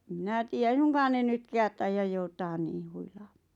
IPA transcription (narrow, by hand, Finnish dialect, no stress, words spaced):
em mĭnæ tiːæ ei suŋkɑːn ne nytkæːt tɑijɑj joutɑːn niːh̆ huilɑːm̥ɑ̥ː